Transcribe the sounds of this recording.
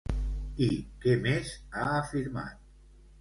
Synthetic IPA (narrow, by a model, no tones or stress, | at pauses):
ikemezaːfiɾma̰t̪̚